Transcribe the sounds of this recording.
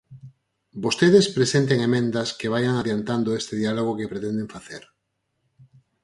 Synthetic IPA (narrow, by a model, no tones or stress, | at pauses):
bost̪eðespɾesent̪eŋemẽnd̪ɐskeβajaŋaðjant̪and̪oest̪eðialoɣ̞okepɾet̪end̪eɱfaθeɾ